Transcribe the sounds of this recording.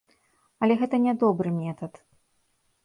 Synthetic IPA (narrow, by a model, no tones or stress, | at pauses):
ɐlʲɛɣɛt̪ɐnʲɛd̪ɔbɾɨmʲɛt̪ɐt̪